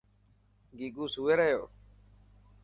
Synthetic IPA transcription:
ɡiːɡuːsuːeːɾəɦjo̰ː

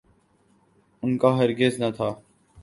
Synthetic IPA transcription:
ʊnkaːɦəɾɡɪznət̪ʰaː

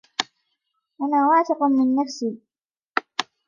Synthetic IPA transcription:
ʔanaːwaːt̪ɪqʊnmɪnːafsiː

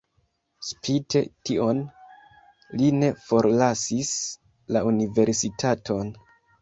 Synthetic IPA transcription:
spʰite̞̰tio̞n | line̞fo̞ɾlasis | launive̞ɾsitʰatʰo̞n

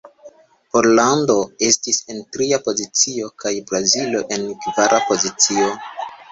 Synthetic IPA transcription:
po̞ɾlando̞e̞stise̞ntɾiapo̞zit͡sio̞kajbɾazilo̞ʔe̞nkvaɾʔapo̞zit͡sio̞

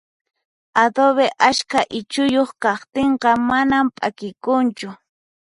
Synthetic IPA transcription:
ad̪oβeʔaʃkaʔɪt͡ʃʊjoχkɑχt̪eɴqɑmanampʼa̰kɪkʊnt͡ʃʊ

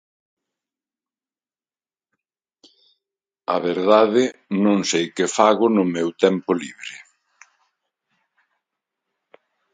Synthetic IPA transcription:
a̰βeɾðaðɪnõŋsejkɪfaɣʊnʊmɛwt̪ɛmpʊliβɾɪ

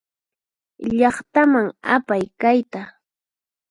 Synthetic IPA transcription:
ʎɑχt̪amaŋapajkajt̪a

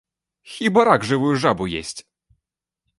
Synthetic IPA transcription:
xʲibɐɾaɡʐɨvujuʐabujḛsʲt͡sʲ

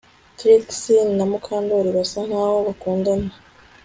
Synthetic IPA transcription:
tɾiksinnamukʰaːndoɾiβasaŋ̥haːhoβakuːndana

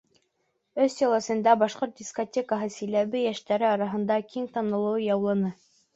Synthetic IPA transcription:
ɵsːʲelˠɑ̆sɤ̆nd̪ɑbɑʃqoɾt̪̚dʲiskotʲekəɦɤsɘ̆jlæβɘjæʃt̪æɾɘɑɾɑɦɤ̆nd̪ɑkʰiŋt̪ɑnɤ̆lˠɤwjɑwlˠɤ̆nɤ

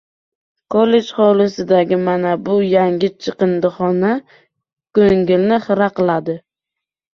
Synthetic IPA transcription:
kʰole̞d͡ʒχɒlɪsɪd̪aɡʲɪmanabʊjaŋɡʲɪt͡ʃʰɨqɨnd̪ɨχɒna | kɵŋɡʲɪlnɪχɨɾaqɨlˠad̪ɪ

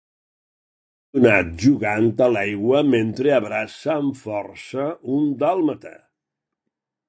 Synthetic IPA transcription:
unat̪̚ʒuɣant̪əlajɣwəment̪ɾeəβɾasəːɱfɔrsəund̪əlˠmət̪a̰

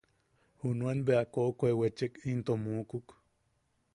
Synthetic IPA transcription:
hunuenbeakoʔkʷoewet͡ʃekint̪omuːkuk

